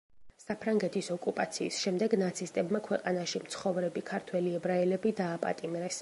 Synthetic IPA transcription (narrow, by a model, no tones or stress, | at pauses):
sapʰɾaŋɡɛt̪ʰisɔkʼupʼat̪sʰiːsʃɛmd̪ɛɡnat̪sʰist̪ʼɛbmakʰwɛqʼanaʃimt̪sʰχɔvɾɛbikʰaɾt̪ʰwɛliɛbɾaɛlɛbid̪aːpʼa̰t̪ʼimɾɛs